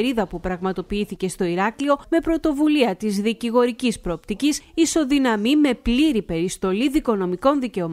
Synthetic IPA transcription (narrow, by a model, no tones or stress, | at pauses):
ɾiðɐpupɾɐɣmɐt̪o̞piiθice̞st̪o̞iɾɐklio̞me̞pɾo̞t̪o̞vuliɐt̪izðiciɣo̞ɾicispɾo̞ːpt̪icisiso̞ðinɐmime̞pliɾipe̞ɾist̪o̞liðiko̞no̞miko̞nðice̞o̞